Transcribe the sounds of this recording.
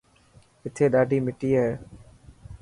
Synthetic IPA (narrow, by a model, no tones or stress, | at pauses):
ɪt̪ʰːeːɗaːɖʱiːmɪʈiːaɦɛː